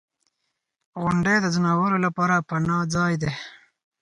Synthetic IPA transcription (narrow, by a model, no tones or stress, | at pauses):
ɣʊɳɖed̪əzənɑwəɾolapɑːɾapanɑd͡zɑjd̪e